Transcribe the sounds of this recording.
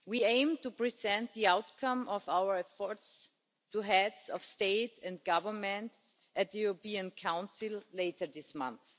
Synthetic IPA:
wiẽɪ̃mtupɹizɛ̃nt̪̚ðiaʊtkʰãmɔvaʊə˞ɛfɔ˞ts | tʰuɦɛdsɔfsteɪtɛ̃nd̚ɡ̥ʌvə˞mɛ̃nts | ʔæt̪̚ðəjuɹopĩɨ̃nkʰãʊ̃nsɪlˠleɪtə˞ðɪsmʌ̰̃nθ

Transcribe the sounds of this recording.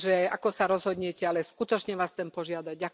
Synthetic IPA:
ʒɛakɔsaɾɔzɦɔd̪ɲɛcɛalɛskut̪ɔt͡ʃɲɛʋaːsxt͡sɛmpɔʒɪad̪aɟ̚ɟak

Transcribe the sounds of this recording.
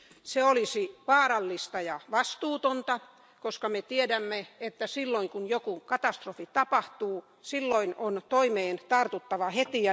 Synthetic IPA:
seolisiʋɑːɾɑlːist̪ɑjɑʋɑst̪uːt̪ont̪ɑ | koskɑmet̪iedæmːeet̪ːæsilːoiŋkunjokukɑt̪ɑst̪rofit̪ɑpɑht̪uː | silːoinont̪oimeːnt̪ɑrt̪ut̪ːɑʋɑhet̪iɑ

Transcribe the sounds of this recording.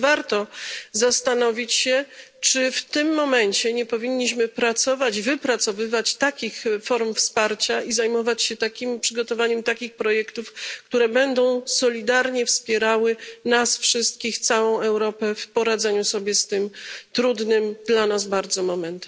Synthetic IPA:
vaɾt̪ɔzast̪anɔvʲit͡ɕɕɛt͡ʂɘft̪ɘmːɔmɛɲt͡ɕɛɲɛpɔvʲiɲːiɕmɘpɾat̪sɔvad͡ʑvɘpɾat̪sɔvɘvat͡ɕt̪akʲixfɔɾmfspaɾt͡ɕaizajmɔvat͡ɕɕɛt̪akʲimpʂɘɡɔt̪ɔvaɲɛmt̪akʲixpɾɔjɛkt̪ufkt̪uɾɛbɛnd̪ɔ̃w̃sɔlʲid̪aɾɲɛfspʲjɛɾawɘnasfʂɘst̪̚kʲixt̪sawɔ̃w̃ɛwɾɔpɛfpɔɾad̪zɛɲusɔbʲjɛst̪ɘmt̪ɾud̪nɘmd̪lanazbaɾd̪zɔmɔmɛnt̪ɛm

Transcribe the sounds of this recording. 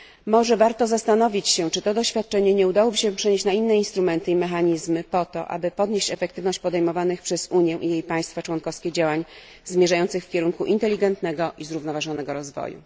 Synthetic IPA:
mɔʐɛvaɾt̪ɔzast̪an̪ɔvʲit͡ɕɕɛt͡ʂɘt̪ɔd̪ɔɕfʲjat̪̚t͡ʂɛɲɛɲɛud̪awɔbɘɕɛpʂɛɲeɕt͡ɕnainːɛinst̪ɾumɛnt̪ɘimɛxaɲizmɘpɔt̪ɔ̰ʔa̰bɘpɔd̪ɲeɕt͡ɕɛfɛk̚t̪ɘvnɔɕt͡ɕʲpɔd̪ɛjmɔvanɘxpʂɛzuɲjɛ̃ʔijejpaj̃st̪fat͡ʂwɔnkɔfskʲɛd͡ʑawaɲ | zmʲjɛʐajɔnt̪sɘxfkʲɛɾuŋkuʔint̪ɛlʲːiɡɛnt̪nɛɡɔʔizɾuvnɔvaʐɔnɛɡɔɾɔzvɔ̰jṵ

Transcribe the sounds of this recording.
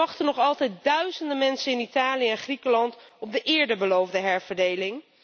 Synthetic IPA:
ɑχtənɔχɑlˠtɛjt̚dœɥzəndəmɛnsənɪnitaːlijəɛnχrikəlɑntɔb̚dəʔɪːɹdəbəlowvdəɦɛɹv̥əɹdejlɪŋ

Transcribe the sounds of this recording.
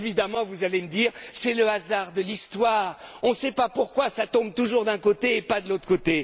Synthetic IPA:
evid̪amɑ̃vuzaleməd̪iːʁsɛləazaʁd̪əlist̪waːʁɔ̃sɛpapuʁkwasat̪ɔ̃b̚t̪uʒuʁd̪ɛ̃kot̪eːpad̪əlot̪χəkot̪e

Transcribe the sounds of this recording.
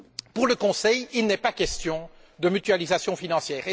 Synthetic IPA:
puʁləkɔ̃sɛjilnɛpakʲɛst̪jɔ̃ | d̪əmyt̪yalizasjɔ̃finɑ̃sjɛːʁe

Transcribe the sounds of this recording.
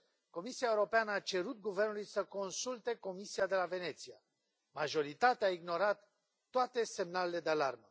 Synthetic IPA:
ko̞misiaeuɾo̞peanəat͡ʃe̞ɾut̪̚ɡuve̞rnulujsəko̞nsult̪e̞ko̞misiad̪e̞lave̞ne̞t̪sia | maʒo̞ɾit̪at̪eaiɡno̞ɾat̪ː | oat̪e̞se̞mnalele̞d̪ealarmə

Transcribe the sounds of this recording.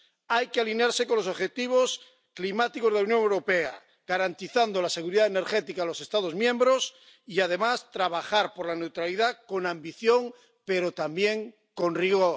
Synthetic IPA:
ajkealineaɾse̞ko̞nlosoβxet̪iβ̞o̞s | klimat̪ikozðeaunjoŋewɾo̞pea̰ | ɡ̥aɾant̪iθand̪olase̞ɣuɾiðaene̞ɾxet̪ikaðlo̞se̞st̪að̞o̞zmjẽ̞mbɾos | iað̞e̞mast̪ɾaβ̞axaɾpoɾlane̞wt̪ɾaliðako̞nãmbiθjoŋ | pe̞ɾot̪ambje̞ŋ | ko̞nriɣo

